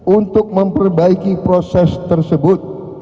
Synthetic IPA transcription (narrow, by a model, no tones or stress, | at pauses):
unt̪ʊk̚məmpərbaikipɾosɛst̪ərsəbʊt̪̚